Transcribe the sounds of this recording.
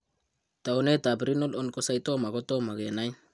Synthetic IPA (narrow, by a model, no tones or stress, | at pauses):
taonetabɾinolonkosajtomaɡotomaɡenaj